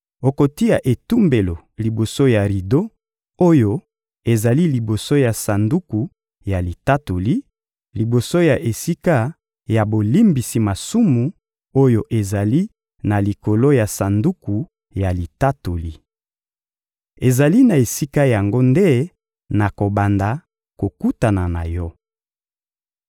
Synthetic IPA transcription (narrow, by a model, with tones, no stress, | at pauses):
o˨ko˨ti˦ja˨ʔe˨tu˦mbe˨lo˨ | li˨bo˨so˦ja˨ʁi˨do˦ | o˦jo˦ | e˨za˨li˦li˨bo˨so˦ja˨sa˨ndu˦ku˨ | ja˨li˨ta˦to˨li˦ | li˨bo˨so˦ja˨ʔe˨si˦ka˦ | ja˨bo˨li˦mbi˨si˨ma˨su˦mu˨ | o˦jo˦ʔe˨za˨li˦ | na˨li˨ko˨lo˦ja˨sa˨ndu˦ku˨ | ja˨li˨ta˦to˨li˦ | e˨za˨li˦na˨e˨si˦ka˦ja˨ŋɡo˦nde˦ | na˨ko˨ba˨nda˨ | ko˨ku˦ta˨na˨na̰˨jɔ˦